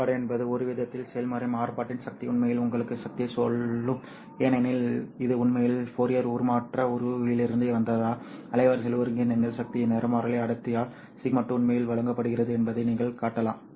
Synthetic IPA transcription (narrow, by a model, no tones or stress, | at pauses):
aːɽɯɛnbɐðɯɔɾɯʋɪðɐt̪ːɪlsɛjɐlmɐɾɪmaːɾpaːʈːɪnsɐk̚t̪iʊɳmɐjɪlʊŋɡɐɭɯkːɯsɐk̚t̪ɪjɐsɔlːɯm | eːnɛnɪlɪðɯʊɳmɐjɪlpoːɾɪjɐɾuːɾmaːʈrɐɔɾɯɪlɪɾɯnd̪ɯʋɐnd̪ɐðaːɐlɐɪʋɐɾsɛlɐɾɯŋɡɪnɛnɡɐɭsɐk̚t̪ɪjɐnɛɾɐmaːɾɐlɐɪɐɽɯt̪ːɪjaːl | siːmɐʈːɯmʊɳmɐjɪlʋɐɭɐŋɡɐpːɐɽɯɣɪrɐðɯɛnbɐðɐɪniːŋɡɐɭkaːʈːɐla̰ːm